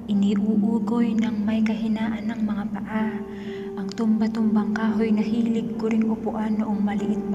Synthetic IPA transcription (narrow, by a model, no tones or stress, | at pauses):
ʔɪniːʔuːʔuːɡojnɐŋmɐjkɐɦɪnaːʔɐnːɐŋmɐŋapɐʔa | ʔɐŋt̪ʊmbɐt̪ombɐŋkaːɦo̞jnɐɦiːlɪɡ̚kʊɾɪŋʔʊpʊʔanːʊʔoŋmɐlɪʔɪt̪̚b